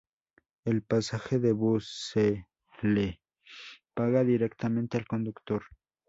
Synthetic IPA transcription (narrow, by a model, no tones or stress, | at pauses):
elpasaxeðeβuse | le | paɣaðiɾekt̪ament̪ealkond̪ukt̪oɾ